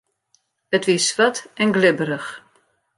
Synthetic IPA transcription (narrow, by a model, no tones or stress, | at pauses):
ətʋisʋatɛnɡlɪbəɾəx